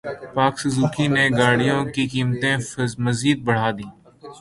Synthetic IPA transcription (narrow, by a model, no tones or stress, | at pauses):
paːksɪzuːkineːɡaːɽijõːkikiːmt̪ẽməziːd̪̚bəɽ̤aːd̪ĩː